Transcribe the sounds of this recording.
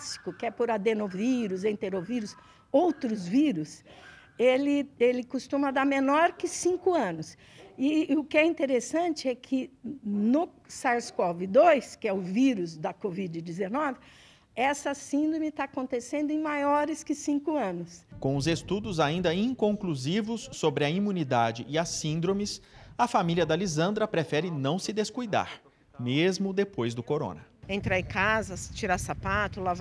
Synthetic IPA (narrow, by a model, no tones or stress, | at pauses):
si̥kʊkɪɛpoɾad̪enoviɾʊzẽt̪eɾoviɾʊs | owt̪ɾʊzviɾʊs | elɪelɪkʊst̪ũmɐd̪amẽnɔɾkɪsĩŋkʊɐ̃nʊs | ɪʊkɪɛĩnt̪eɾesɐ̃nt͡ʃɪɛkʰɪnʊ | saɾskɔvɪd̪ojskɪɛʊviɾʊzd̪ɐkovid͡ʒɪd͡ʒɪzenɔvɪ | ɛsɐsĩnd̪ɾõmɪt̪aakõnt̪esẽnd̪ʊẽj̃majɔɾɪskɪsĩŋkʊɐ̃nʊskõw̃ʊzest̪ud̪ʊzaĩnd̪ɐĩkõŋkluzivʊsːobɾɪɐimũnid̪ad͡ʒɪʔɪɐsĩnd̪ɾõmɪsɐfamiliɐd̪ɐlizɐ̃nd̪ɾɐpɾefɛɾɪnɐ̃w̃sɪd̪eskujd̪a̰ɾ | mezmʊd̪epojzd̪ʊkoɾõ̰nɐẽnt̪ɾaẽkazɐt͡ʃiɾasapat̪ʊlav